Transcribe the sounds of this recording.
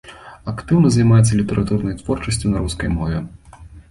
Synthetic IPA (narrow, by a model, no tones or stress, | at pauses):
ɐkt̪ɨwnɐzɐjmajɛt̪sːɐlʲit̪ɛɾʔat̪urnɐjt̪vɔrt͡ʂɐsʲt͡sʲunɐɾuskɐjmɔvʲɛ